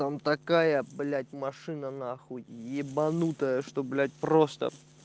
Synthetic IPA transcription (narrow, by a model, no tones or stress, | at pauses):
t̪amt̪ɐkajəblʲatʲmɐʂɨnənɐːxotʲɪjebɐnut̪əjəʂt̪oblʲætʲpɾost̪ə̰